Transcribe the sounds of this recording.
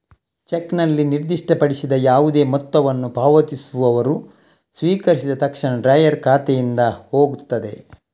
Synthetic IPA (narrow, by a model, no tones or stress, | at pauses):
t͡ʃeknɐlːiniɾd̪iʂʈɐpɐɽisid̪ɐjaːʋud̪e̞ːmɔt̪ːɐʋɐnːubʱaːʋɐt̪isuʋɐʋɐɾu | sʋiːkɐɾisid̪ɐt̪ɐkʂɐɳɐɖɾɐjɐɾkʰaːt̪ɛjind̪ɐho̞ːɡut̪ːɐd̪e̞̰